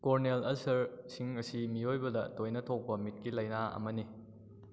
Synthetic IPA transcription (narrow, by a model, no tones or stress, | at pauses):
koɾnelɐlsɐɾsiŋɐsimiojbɐdɐtojnɐtʰok̚pɐmit̚kilɐjnaɐ̰mɐni